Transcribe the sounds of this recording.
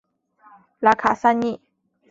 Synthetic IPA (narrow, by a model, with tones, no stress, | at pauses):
la˧kʰa˧˨sa˧ɲi˧˨ʔ